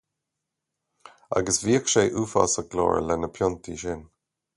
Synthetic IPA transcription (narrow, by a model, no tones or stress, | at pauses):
a̰ɡəsviəkʃeɪʔuːfɑ̰səɡlɔ̰ːɹ̰lɛnəpʰjɔntiʃɪn